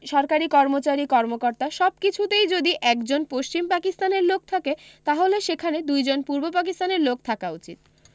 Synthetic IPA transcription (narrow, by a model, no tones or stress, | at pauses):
ʃɔɾkaɾikɔɾmot͡ɕaɾikɔɾmokoɾt̪aʃɔb̚kit͡ɕʰut̪ejd͡ʑod̪iʔɛkd͡ʑonpoʃt͡ɕimpakist̪aneɾlok̚t̪ʰaket̪aɦoleʃekʰaned̪ujd͡ʑonpuɾbopakist̪aneɾlok̚t̪ʰakaut͡ɕḭt̪